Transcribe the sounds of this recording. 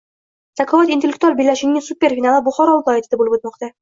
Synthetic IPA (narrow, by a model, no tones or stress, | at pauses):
zʰakʰɒvat̪int̪elːek̚t̪ualˠbilːaʃɪŋnɪsupʲːe̞ɾfʲinalˠɪbʊχɒɾɒlˠd̪ɒjat̪ʰɪd̪abolɪpot̪mɒqt̪a